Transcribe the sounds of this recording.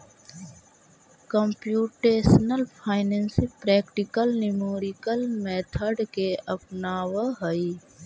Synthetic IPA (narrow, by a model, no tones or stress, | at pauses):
kəmpjuːʈeːsnəlpʰaːɪneːnsipɾɛːkʈikəlnimoːɾikəlmeːt̪ʰəɖkeʔəpnaːwəɦəi